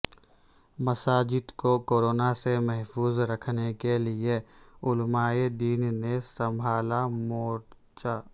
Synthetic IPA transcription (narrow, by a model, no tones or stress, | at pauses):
mɐsaːd͡ʒɪd̪kokoːɾoːnasemɛɦfuːzɾɐkʰnekelɪeʊlmaːed̪iːnnesɐ̃mbʱaːlamoːʈ | t͡ʃaː